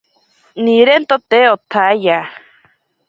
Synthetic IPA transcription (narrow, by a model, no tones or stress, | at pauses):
niɾent̪ot̪eot̪ʰaja